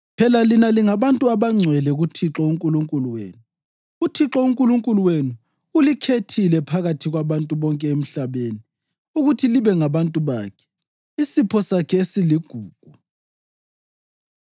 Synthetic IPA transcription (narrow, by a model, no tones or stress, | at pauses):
pʰɛlalinaliŋaβantʼuaβaŋ͡ǀʱwɛlɛɣutʰiǁɔuŋkʼuluŋkʼuluwḛːnu | utʰiǁɔuŋkʼuluŋkʼuluwenu | ulikʰetʰilɛpʰaɣatʰiɣwaβantʼuβɔŋkʼɛem̩ɬaβeni | uɣutʰiliβɛŋaβantʼuβa̰kʰɛ̥ | isipʰɔsakʰɛesiliɡ̥ʱuːɡ̥̚ʱu